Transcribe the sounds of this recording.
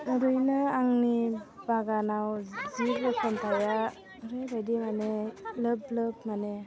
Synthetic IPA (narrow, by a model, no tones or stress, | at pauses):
ɯɾujnɯaŋnibaɡanawziɾɯkʰɯmtʰaja | ɾejɾajdimanelɯblɯbmane